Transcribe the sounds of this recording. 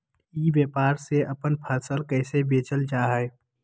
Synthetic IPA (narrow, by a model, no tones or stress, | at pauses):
iːʋeːpaːɾseʔəpənpʰəsəlkəɪsebeːt͡ʃəld͡ʒaːɦɛɛ